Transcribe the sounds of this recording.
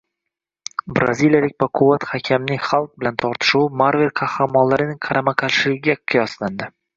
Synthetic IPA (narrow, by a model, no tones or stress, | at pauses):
bɾa̰zilijalɪk̚ʲpaqʰʊvat̪hakʲʰamnɪŋχalˠq̚bɪlant̪ʰɒɾt̪ʰɪ̥ʃuwmaɾvelqʰɑhɾamɒnlaɾɪnɪŋqʰɑɾamaqʰɑlʃɪlɪɡʲɪɡʲaqʰɨjɒsland̪ɪ